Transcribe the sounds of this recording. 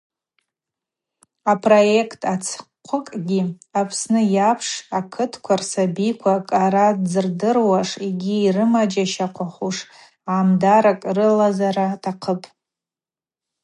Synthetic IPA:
apʰroje̞kʰtʰat͡sʰqʷʰʊkʼɡʲi | apʰsnɨjapʰʂakʰɨtʰkʷʰarsabikʷʰakʼaɾad͡zɨrdɨrwaʂiɡʲiːrɨmad͡ʒaʃaqʷʰaχʷuʂ | aːmdaɾakʼrɨlazaɾatʰaqʰəpʼ

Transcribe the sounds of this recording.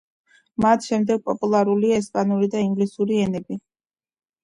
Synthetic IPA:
mat̪ʰʃɛmd̪ɛɡ̥̚pʼɔpʼulˠaɾuliaɛspʼanuɾid̪aiŋɡlisuɾiɛnɛbi

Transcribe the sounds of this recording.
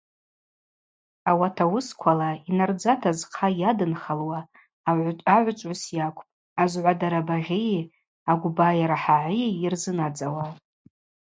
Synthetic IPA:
awatʰawʊskʷʰalainard͡zatʰazqʰajadɨnχalwaː | ʕʷʼaʕʷt͡ʃʷʼʊsjakʷʰʼpʼ | azʕʷadaɾabaʒʲe | aɡʷbajaɾaħaʕʷiirzɨnad͡zawa

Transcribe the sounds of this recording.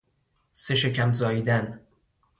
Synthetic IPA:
seʃecʰæmzɒːiːd̪æn

